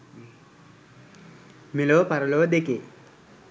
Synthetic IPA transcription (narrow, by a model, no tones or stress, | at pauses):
miloːpɐɾɐloːd̪eki